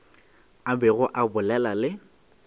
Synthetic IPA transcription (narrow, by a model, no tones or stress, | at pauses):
abɪɣʊʔabʊlɛlalɪ